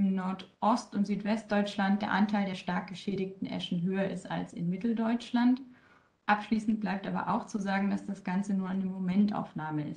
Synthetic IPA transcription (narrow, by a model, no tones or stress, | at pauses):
ɪmnɔɐtʔɔstʊntz̥yːtv̥ɛst̚d̥ɔʏt͡ʃlant̚d̥eːɐʔantʰaɪldeːɐʃtaɐk̚ɡ̥əʃɛːɾɪçtn̩ʔɛ̰ʃn̩ɦøːɐʔɪsta̰lsɪ̰nmɪtl̩dɔʏt͡ʃlant | ʔapʃliːsn̩t̚b̥laɪp̚tʔa̰ːbɐ̰ʔa̰ʊxt͡suzaːɡŋ̩dasd̥asɡ̥ant͡sənuːɐʔaɪnəmomɛntʔa̰ʊfnaːməɪ̰s